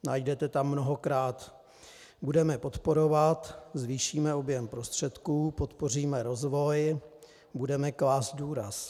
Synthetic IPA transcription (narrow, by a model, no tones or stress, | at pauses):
najdɛt̪ɛt̪amːno̞ɦokɾaːt̪ | budɛmɛpo̞t̪po̞ɾo̞vat̪zviːʃiːmɛo̞bjɛmpɾo̞st̪r̝̥ɛt̪kuːpo̞t̪po̞r̝iːmɛɾo̞zvo̞j | budɛmɛklaːsduːɾas